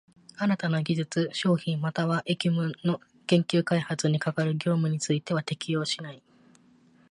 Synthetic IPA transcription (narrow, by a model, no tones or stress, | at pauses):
aɾat̪ano̞ɡʲiʑɨt͡sɨɕo̞ːçĩmmat̪aβaʔe̞kʲimɯ̟no̞ | kẽ̞ŋkʲɨːkaihat͡sɨɲ̟ikakaɾɯ̟ɡʲo̞ːmɯ̟ɲ̟it͡sɨit̪e̞β̞at̪e̞kʲijo̞ːɕinai